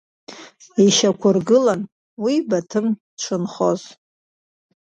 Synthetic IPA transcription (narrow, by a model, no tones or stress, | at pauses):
iʃakʷʰʊrɡɨlan | wibatʰɨm | ʈ͡ʂʷʰɨnχoz